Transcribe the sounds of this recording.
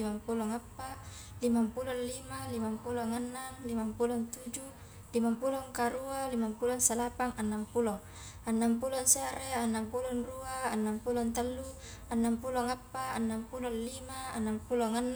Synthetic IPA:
imampulɔŋapːa | limampulɔnlimalimampulɔŋanːaŋlimampulɔnt̪ud͡ʒu | limampulɔŋkaɾualimampulɔnsalapaŋanːampulɔŋ | anːampulɔnsaɾɛanːampulɔnruaːnːampulɔnt̪alːu | anːampulɔŋapːaa̰nːampulɔnlimaanːampulɔŋanː

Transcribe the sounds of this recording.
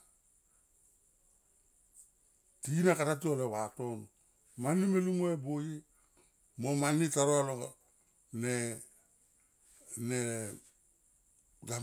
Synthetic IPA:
tinakaɾat̬ualewaton | manːimelumoeboji | momanːitaɾoalo | ne | ne | ɡa

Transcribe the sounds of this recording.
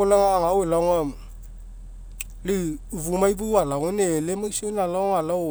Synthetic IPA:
olaŋaːŋawelaŋa | liuvumajbualaŋenelemasonalaŋala

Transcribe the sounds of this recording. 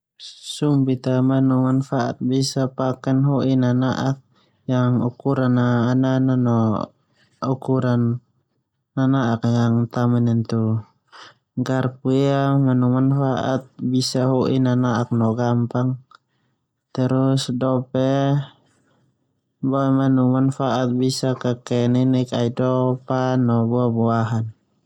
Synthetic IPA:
sumbit̪amanumanfaʔa̰t̪̚bisapakɛnɦɔʔinanaʔak̚ | jaŋṵkuɾanaːnananɔ | ukuɾanː | anaakjaŋt̪amanɛnt̪u | ɡarpujamanumanfaʔa̰t̪̚bisaɦuʔḭnanaʔak̚nɔɡampaŋ | t̪ɛɾusdɔpɛ | bɔmanumanfaʔat̪̚bisakakɛninikaidɔpanɔbɔabuaɦan

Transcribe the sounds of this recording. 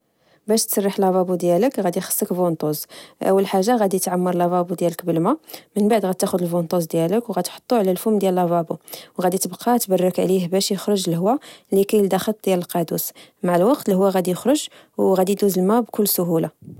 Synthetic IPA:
bæʃt̪sˤɑrˤːiħlɑbɑbud̪jæləkɣæd̪ixə̥sːəkvunt̪ˤuzʔə̰wːəlħaʒːaɣæd̪it̪ʕamːəɾlɑbɑbud̪jæləkbəlmæmənbaʕd̪ɣæd̪t̪ːæxʊd̪əlfunt̪ˤuzd̪jæləkwɣæd̪ħo̥t̪ˤːuʕlælfʊmd̪jælɑbɑbuwɣæd̪it̪əbqʰɑt̪bɑrˤːəkʕlihbæʃjəxɾˤʊʒəlhwːalikæjəld̪ɑxət̪̚ˤd̪jæləlqɑd̪usmaʕəlwɑqt̪lhwːæɣæd̪ijəxɾoʒ | wɣæd̪id̪uzəlmæbkʊlːsʊɦula

